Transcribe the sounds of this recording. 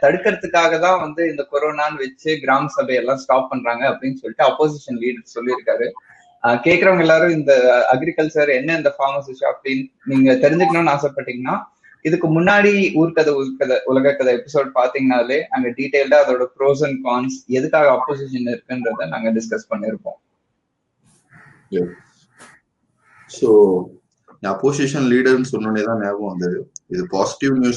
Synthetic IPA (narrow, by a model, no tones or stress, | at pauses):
t̪ɐɽɯkːɐɾɐt̪ːɯkːaːɣɐt̪ãːʋɐnd̪ɯɪnd̪ɐkɔɾoːnaːnɯʋɛt͡ʃːɯɡɪɾaːmɐsɐbɐjɛlːãːsʈaːp̚ːɐɳɾaːŋɡɐːpːɐɽɪnːsɔlːɪʈːɯɐpːoːs̬ɪʂɐnliːɽɐɾssɔlːiɪɾɯkːaːɾɯ | keːʈkːɪɾɐʋɐŋɡɐɛlːaːɾɯ̃ɪnd̪ɐɐɡɪɾɪkɐlt͡ʃɐɾɛnːɐɪnd̪ɐfaːmɐsɪʃɐ̰ɐpɐɽin | niːŋɡɐt̪ɛɾɪɲd͡ʒɪkːɐnõːnaːsɐpːaːʈːiːŋɡɐnːaː | ɪðɯkːɯmʊnːaːɽiuːɾkɐðɐkːɐðɐʔʊlɐɣɐkːɐðɐɛpːɪsoːɖ̚paːɾt̪iŋɡɐnaːleːnaːŋɡɐɖiːʈeːlɖɐɐðoːɽɐpɾoːs̬ɐnkaːnsɛðɯkːaːɣɐːpːoːs̬ɪʃɐnɪɾɯkːɯndɾɐðɐna̰ːŋɡɐɖɪskɐspɐɳːɪɪɾɯpːõ̰ː | jɛ | soː | ɐpːoːs̬iʂɐnliːɽɐɾnɯsɔnːɯneːt̪ãːneːʋõʋɐnd̪ɯɪðɯpaːsɪ̥ʈɪʋnjuː